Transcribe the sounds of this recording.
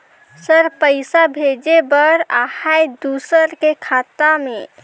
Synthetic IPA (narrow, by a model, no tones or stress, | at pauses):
səɾpəɪsabʱed͡ʒebəɾahajd̪usəɾkekʰat̪ame